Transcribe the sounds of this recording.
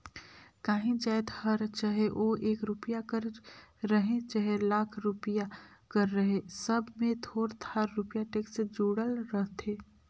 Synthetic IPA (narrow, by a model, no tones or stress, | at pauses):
kaːɦĩd͡ʒaːjt̪həɾt͡ʃaɦeʔoʔeːkɾupijakəɾːəɦẽt͡ʃaɦelaːkʰɾupijakəɾːəɦẽsəbʱmẽt̪ʰoːɾt̪ʰaːɾːupjaʈeːksed͡ʒuːɽəlɾəɦt̪ʰeː